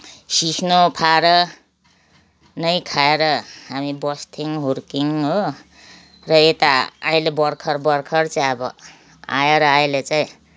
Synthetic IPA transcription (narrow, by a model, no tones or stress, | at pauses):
sikʰnopʰaɾʌ | nʌjkʰaeɾʌɦamibʌst̪ʰiŋɦorkiŋɦo | rʌet̪aaj̃lebʌrkʰʌrbʌrkʰʌrt͡saĩʌbʌ̰ | a̰jeɾʌajlet͡saĩ